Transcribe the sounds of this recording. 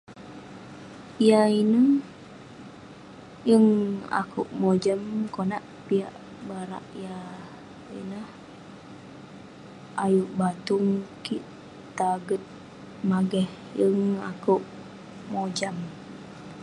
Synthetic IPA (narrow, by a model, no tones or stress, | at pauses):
ijainəh | jəŋa̰kʰṵʔmod͡ʒamkonaʔpia̰ʔ | baɾa̰ʔja | ḭnəh | ajuʔbat̪uŋkiʔ | t̪aɡət̪̚ | maɡɛh | jəŋa̰kuʔ | mod͡ʒam